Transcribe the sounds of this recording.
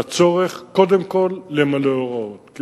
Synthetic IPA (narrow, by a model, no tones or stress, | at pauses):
at͡so̞ʁeχko̞d̪emko̞lːemaleoʁaot̪k